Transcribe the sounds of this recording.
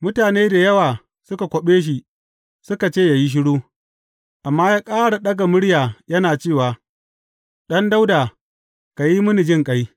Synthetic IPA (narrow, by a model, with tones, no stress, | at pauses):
mʊ˦taː˨neː˦da˨jɐ˦waː˨ | sʊ˦ka˨kʷo˨ɓeː˦ʃ̬i˨ | sʊ˦ka˨t͡ʃeː˦˨ja˨ji˦ʃ̬ɪ˦ɽuː˦ | ʔa˨mːaː˦jaː˦kʼaː˦ɽa˨ɗɐ˦ɡa˨mʊ˦ɽjaː˨jɐ˦naː˨t͡ʃeː˦˨waː˨ | ɗɐ˦nda˦wdaː˨ | ka˨ji˦mʊ˦ni˨d͡ʒɪ˦ŋkʼa˦j